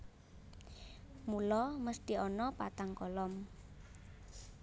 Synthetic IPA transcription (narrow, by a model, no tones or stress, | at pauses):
mulɔməst̪iɔnɔpa̰t̪aŋkɔlɔm